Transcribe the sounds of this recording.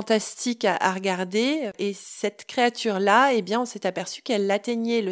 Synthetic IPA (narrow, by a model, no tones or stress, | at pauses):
t̪ast̪ikaʔa̰ʁəɡaʁd̪eesɛt̪kχeat̪yʁlaebjɛ̃ɔ̃sɛt̪apɛʁsy̥kɛlːat̪ɛɲɛlə